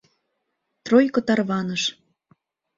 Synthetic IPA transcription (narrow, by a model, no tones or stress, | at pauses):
t̪rojkɤ̆t̪ɑrβɑnəʃ